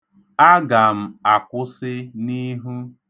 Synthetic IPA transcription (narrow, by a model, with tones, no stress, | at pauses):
a˦ɡa˨m̩˨a˨kʷʊ˦sɪ˦ni˦ɦu˦